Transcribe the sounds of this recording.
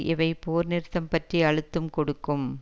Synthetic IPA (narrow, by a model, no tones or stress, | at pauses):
ʔɪʋɐɪpoːɾnɪɾt̪ːɐmpɐʈriɐɻɯt̪ːɯmkɔɽɯkːɯm